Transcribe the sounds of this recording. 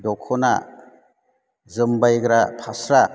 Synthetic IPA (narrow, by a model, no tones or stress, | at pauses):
dɔkʰɔna̰ | zɯmbajɡɾapʰasɾa